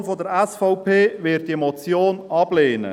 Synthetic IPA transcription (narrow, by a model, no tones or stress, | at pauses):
nfodəɾɛsfɔʊpʰeːvɪtdimɔt͡sjoːnɑb̥leːnə̰